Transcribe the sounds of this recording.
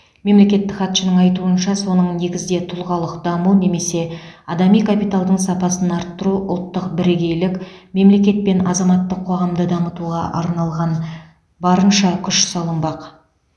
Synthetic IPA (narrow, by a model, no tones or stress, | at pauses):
me̞mle̞kʲe̞t̪ːɪkχɑt̪ʃənəɴɑjt̪uənʃɑso̞nəɴne̞ɡʲɪzd̪e̞t̪ʰʊlˠʁɑlˠəqd̪ɑmune̞me̞se̞ɑd̪ɑmijkʰapijt̪alˠd̪əɴsɑpɑsənɑɾt̪ːəɾuʔʊ̰lˠt̪ːəqbɪɾeɡʲe̞jlɪkme̞mle̞kʲe̞t̪̚pe̞nɑzɑmɑt̪ːəqʰːo̞ʁɑmd̪əd̪ɑmət̪uʁɑʔɑ̰ɾnɑlˠʁɑn | bɑɾənʃɑkʲʰʏʃsɑlˠəmbɑq